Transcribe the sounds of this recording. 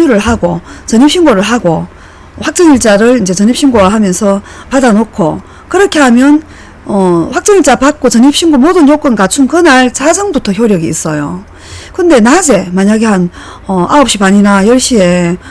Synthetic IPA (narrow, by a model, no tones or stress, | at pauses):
uɾɯɭɦaɡot͡ɕʌɲip̚ɕ͈ʰiŋɡoɾɯɭɦaɡo | ɸwak̚t͡ɕ͈ʌŋiɭt͡ɕ͈aɾɯɾind͡ʑe̞t͡ɕʌɲip̚ɕ͈ʰiŋɡowaɦamjʌnsʰʌ | padanokʰo̰ | kɯɾʌkʰe̞ɦamjʌn | ʌɸwak̚t͡ɕ͈ʌŋiɭt͡ɕ͈apak̚k͈ot͡ɕʌɲip̚ɕ͈ʰiŋɡomodɯnjok͈ʌnkat͡ɕʰunkɯnaɭsad͡ʑʌŋbutʰʌçjoɾjʌɡiḭs͈ʌjo | kɯnde̞nad͡ʑe̞maɲaɡe̞han | ʌaʌp̚ɕ͈ipaɲinajʌɭɕ͈ie̞